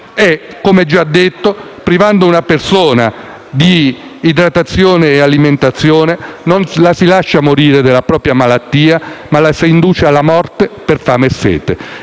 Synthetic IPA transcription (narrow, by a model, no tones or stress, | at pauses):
ɛ | kːomɛd͡ʒːad̪ːet̪ːo | pɾivand̪ounapersoːna | d̪iːd̪ɾat̪at̪sːjoːneːaliment̪at̪sːjoːnenonlasilaʃːamoɾiːɾed̪elːapɾɔːpɾjamalat̪ːiːamalasiind̪uːt͡ʃealːamɔrt̪eperfamesːɛ̰ːt̪e